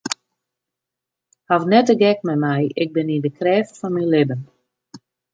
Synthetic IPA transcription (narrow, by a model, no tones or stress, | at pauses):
havnɛtəɡɛkmɛmɛjɪk̚bɪnindəkrɛːfəfɔnmilɪbən